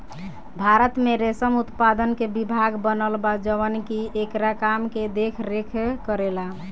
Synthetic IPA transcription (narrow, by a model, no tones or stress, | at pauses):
bʱaɾət̪meɾesəmut̪pad̪ənkebibʱaɡbənəlbad͡ʒəʋənkiekɾakamked̪ekʰɾekʰkəɾela